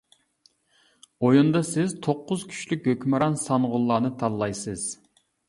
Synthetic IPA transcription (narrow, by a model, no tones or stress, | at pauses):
ojund̪ɑsɪzt̪ʰoqːʊzkʲʰy̥t͡ʃlykʲhøkʲmɨɾɑnsɑnʁʊlˠːɑːnɨt̪ʰɑnlˠɑjsɨz̥